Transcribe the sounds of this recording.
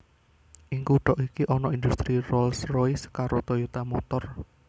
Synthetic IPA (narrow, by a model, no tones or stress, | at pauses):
ʔiŋkuɖ̥ɔʔikiʔɔnɔind̪ust̪ɾirɔlsrojskaɾot̪ojot̪amɔt̪ɔr